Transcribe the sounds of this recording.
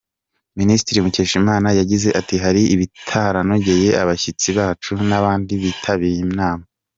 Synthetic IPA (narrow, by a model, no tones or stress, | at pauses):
ministiɾimuceːʃimaːnajaɟize̞ʔatiɦaɾiiβitʰaɾanoɟeje̞aβaçit͡siβaːt͡ʃunaβaːndiβitʰaβijimnaːma